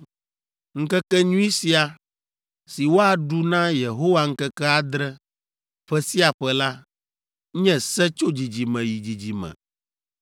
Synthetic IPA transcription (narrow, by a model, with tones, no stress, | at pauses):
ŋ̩˦kɛ˦kɛ˦ɲũ˦i˦si˦a˨ | si˨wo˦a˨ɖu˦nã˦je˨ɦo˦wa˦ŋ̩˦kɛ˦kɛ˦a˦d̪ɾɛ˦ | ɸɛ˦si˦a˨ɸɛ˦la˦ | ɲɛ̃˦sɛ˦t͡ʃo˦d͡ʑi˨d͡ʑi˨mɛ̃˨ji˨d͡ʑi˨d͡ʑi˨mɛ̰̃˨